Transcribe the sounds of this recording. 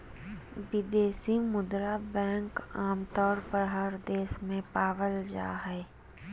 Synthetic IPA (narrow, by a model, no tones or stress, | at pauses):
ʋɪd̪eːsimʊd̪ɾabɛ̃ːŋkaːmt̪ɔːɾpəɾɦəɾd̪eːsmẽpaːʋəld͡ʒa̰ːɦɛː